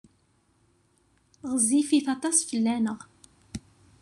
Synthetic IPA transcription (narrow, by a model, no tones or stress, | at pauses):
ʁəzifiθɑt̪ˤɑsfəlːænəʁ